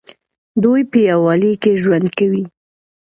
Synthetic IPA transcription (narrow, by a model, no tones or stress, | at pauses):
d̪ujpəjawɑlekeʒwand̪̚kawi